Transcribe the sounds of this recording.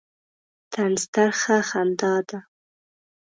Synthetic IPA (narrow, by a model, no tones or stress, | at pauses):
t̪anst̪aɾxaxand̪ɑd̪a